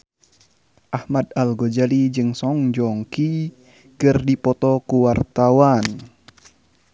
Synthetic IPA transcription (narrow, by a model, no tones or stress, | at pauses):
ʔahmad̪alɡɔd͡ʒalid͡ʒɨŋsɔŋd͡ʒɔŋki | kərdipɔt̪ɔkuwart̪awan